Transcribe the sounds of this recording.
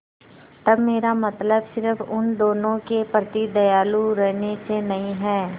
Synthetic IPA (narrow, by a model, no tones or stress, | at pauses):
t̪ɐbmeːɾamɐt̪ləbsɪɾəfʊnd̪oːnõkepɾət̪id̪ɐjaːluɾɛɦnesenɐɦĩɦɛː